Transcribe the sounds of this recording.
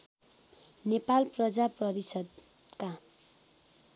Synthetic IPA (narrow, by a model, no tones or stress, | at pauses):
nepalprʌd͡zaprʌɾisʌd̪ | ka